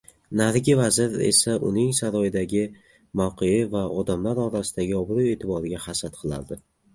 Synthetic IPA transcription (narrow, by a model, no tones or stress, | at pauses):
naɾɡʲɪvazɪɾḛsaʔʊ̰nɪŋsaɾɒjɪd̪aɡʲɪ | mawqʰɨjɪvaɒd̪amlaɾɒɾasɪ̥d̪aɡʲɪɒbɾue̞ːt̪ʰɪbɒɾɪɡʲahasat̪̚qʰɨlˠa̰ɾd̪ɪ